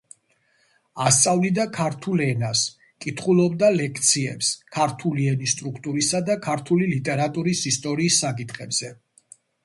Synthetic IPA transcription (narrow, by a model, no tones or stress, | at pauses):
ast̪sʼavlid̪akʰaɾt̪ʰulɛnas | kʼit̪ʰχulˠɔbd̪alɛkʰt̪sʰiɛ̰pskʰaɾt̪ʰuliɛnist̪ʼɾukʰt̪ʼuɾisad̪akʰaɾt̪ʰulilit̪ʼɛɾat̪ʼuɾisist̪ʼɔɾiːsːakʼit̪ʰχɛbz̥ɛ